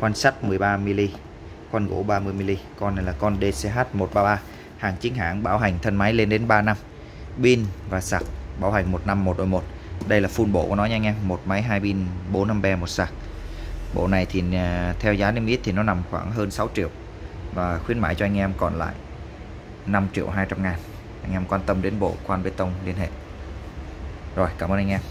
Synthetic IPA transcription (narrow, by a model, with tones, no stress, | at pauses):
kwaː˧nsa˦˥t̚mɨ˨˩əjɓaː˧mi˧li˧ | kwa˧nɣo̰˧˩ɓaː˧mɨ˧jmi˧li˧kɔ˧na˨˩jlaː˨˩kɔ˧nɗe˧sɛ˧ɦaː˦˥t̚mo˨˩t̚ɓaː˧ɓaː˧ | haː˨˩ŋt͡ɕï˨˦ŋ̟ɦa̰ː˧˩ŋɓaː˧˩wɦa˨˩jŋ̟t̪ʰə˧nma˨˦jle˧nɗe˨˦nɓaː˧na˧m | ɓi˧nvaː˨˩saː˨˩k̚ɓa̰ː˧˩wɦa˨˩jŋ̟mo˨˩t̚na˧mːo˨˩t̚ɗo˨˩jmo˨˩t̚ | ɗə˧jlaː˨˩fu˧nɓo̰˧˨kṵ˧˩nɔ˨˦jɲa˧ŋʔɛ˧mːo˨˩t̚ma˨˦jɦaː˧jɓi˧nɓo˨˦nːa˧mɓɛ˧mo˨˩t̚saː˨˩k̚ | ɓo̰˧˨na˨˩jt̪ʰi˨˩t̪ʰɛ˧wzaː˨˦ne˧mʔt̪ʰi˨˩nɔ˨˦na˨˩mxwa̰ː˧˩ŋɦəː˧nsa˨˦wt͡ɕḭ˧˨əw | vaː˨˩xwi˨˦ənmaː˧˩jt͡ɕɔ˧ʔa˧ŋ̟ʔɛ˧mkɔ̰˧˨nla̰ː˧˨j | na˧mt͡ɕḭ˧˨əwɦaː˧jt͡ɕa˧mŋaː˨˩n | ʔa˧jŋ̟ʔɛ˧mkwaː˧nt̪ə˧mɗe˨˦nɓo̰˧˨kwaː˧nvə˨˦jt̪ə˧wŋ͡mli˧ənɦḛ˧˨ | zo˨˩jkaː˧˩məː˧ʔa˧ŋʔɛ˧m